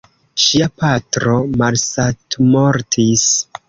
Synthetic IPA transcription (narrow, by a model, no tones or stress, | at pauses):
ʃiapatɾo̞malsatmoɾtʰis